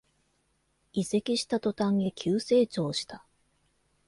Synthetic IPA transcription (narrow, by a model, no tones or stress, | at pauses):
ise̞kʲiɕi̥t̪at̪o̞t̪ãŋɡekʲʰɨːse̞ːt͡ɕo̞ːɕi̥t̪a